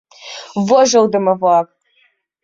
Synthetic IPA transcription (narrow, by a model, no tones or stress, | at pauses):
vɔʒɐwdɨmɐvap̚ʼ